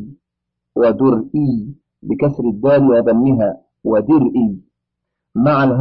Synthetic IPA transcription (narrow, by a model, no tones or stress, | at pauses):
wad̪ʊɾʔiː | bɪkasɾɪd̪ːaːlɪwɑd̪ˤɑmːɪɦaː | wad̪ʊɾʔiː | maʕalɦ